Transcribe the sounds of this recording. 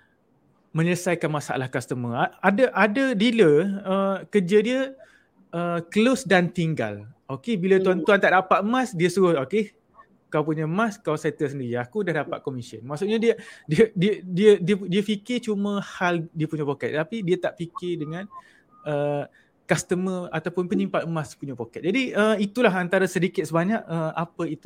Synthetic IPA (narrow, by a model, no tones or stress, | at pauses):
mə̃ɲələsajkanmasa̰ʔa̰lahkast̪əmə̃aadəʔadədiləəkəd͡ʒədiə | ʔəkəlosdant̪iŋɡa̰lokebilətt̪uant̪uant̪aʔdapat̪̚əmãsdiəsuɾʊhoke | kawpuɲəmãskaawsat̪əs̬əndiɾiakudahdapat̪̚komisiə̰nmaʔsuʔ̚ɲadiədiədiədiədiədiəfikɪt͡ʃumə̃haldiəpuɲəpokɛt̪̚ːapidiət̪aʔfikɪrdəŋãn | ʔə | kast̪əməat̪awpʊnpəɲimpaəmaspuɲəpokɛt̪̚d͡ʒadiəit̪ulaɦant̪aɾasədikɪt̪̚səbaɲaʔəapəit̪u̥